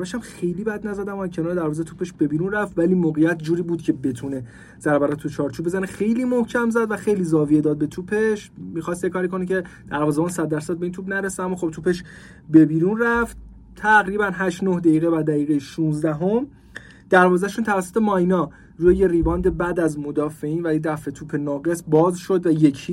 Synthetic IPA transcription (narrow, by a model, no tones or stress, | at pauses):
væʃæmxe̞jliːbæd̪næzæd̪æmcʰenɒːɾed̪æɾvɒːzet̪ʰupʰe̞ʃb̥e̞biːɾunræft̪væliːmoːɣejæt̪ʰd͡ʒuːɾiːbuːd̪̥cʰe̞be̞t̪ʰune̞ | z̥æɾbæɾɒːt̪ʰːut͡ʃʰɒːɾt͡ʃʰubezænexejliːmohcʰæmzæd̪væxe̞jliːzɒːvije̞d̪ɒːd̪̚be̞t̪ʰuːpʰe̞ʃmixɒst̪ekʰɒːɾikʰo̞necʰe̞d̪̥æɾvɒːzebɔːnsæd̪̚ːæɾsæd̪̚e̞int̪ʰubnæɾeseæmːɒːxo̞b̚t̪ʰuːpe̞ʃ | be̞biːɾunræft̪̚ | t̪ʰæɣɾiːbænɦæʃt̪nohd̪æiːɣevæd̪æjiːɣejiʃũːnzd̪æɦo̞m | d̪̥æɾvɒːzæʃuːnt̪ʰævæsːot̪ʰe̞mɒjnɒː | ɾuːjejeriːvɒːnd̪e̞bæd̪æzmo̞d̪ɒːfe̞iːnvæjed̪æfe̞t̪ʰuːpʰe̞nɒːɡe̞sbɒːzʃo̞d̪væje̞cʰiː